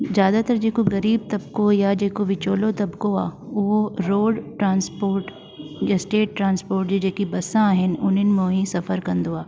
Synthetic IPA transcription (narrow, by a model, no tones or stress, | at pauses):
zjaːd̪at̪ɐɾd͡ʒeːkoɡɐɾiːb̚t̪ɐbkojad͡ʒeːkoʋɪt͡ʃoːlot̪ɐbkoaːʊɦoɾoːɖʈɾãːnspoːɾʈ | jasʈeːʈ̚ʈɾãːnspoːɾʈd͡ʒid͡ʒeːkibɐsãɦɪnʊnɪnmõːɦĩsɐfəɾkɐnd̪oaː